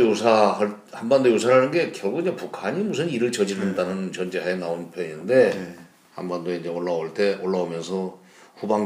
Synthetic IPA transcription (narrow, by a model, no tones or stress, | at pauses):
josʰahaɭ | hanbandojosʰaɾɦanɯnɡe̞kjʌɭɡuɡɲapukʰaɲimus̬ʰɯniɾɯɭt͡ɕʌd͡ʑiɾendanɯnt͡ɕʌnd͡ʑeɦaenaonpʰjʌɲinde̞ | ha̰nbandoeind͡ʑeoɭːaoɭt͈e̞ʔoɭːaomjʌnsʰʌ | ɸubaŋ